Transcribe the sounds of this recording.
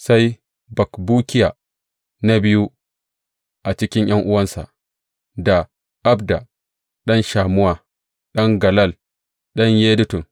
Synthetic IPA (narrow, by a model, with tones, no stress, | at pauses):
sa˦j | bɐ˨kbuː˦kʲɪ˦ja˨ | na˦bi˦ju˦ | ʔa˨t͡ʃɪ˦kʲɪ˦ɲj̰ɐ˦ŋʔʊ˦wɐ˦nsa̰˨ | da˨ | ʔa˦bda˨ | ɗɐ˦nʃaː˨mʊ˦wa˦ | ɗɐ˦ŋɡɐ˨lɐ˦˨l | ɗɐ˦ɲjeː˦du˦tu˨n